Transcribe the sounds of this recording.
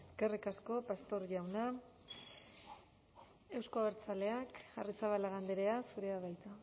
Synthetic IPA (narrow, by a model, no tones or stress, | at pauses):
eske̞rikasko̞past̪o̞ɾʝawna | e̞wskoaβeɾt͡sale̞akarit͡saβalaɣand̪eɾe̞asuɾe̞aβajt̪a